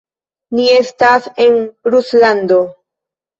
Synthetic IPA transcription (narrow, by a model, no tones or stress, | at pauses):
nie̞stasenɾusland̪o̞